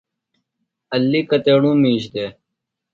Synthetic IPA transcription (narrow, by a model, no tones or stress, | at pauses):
ɐlːikɐt̪eːɽũːmĩːɕd̪eː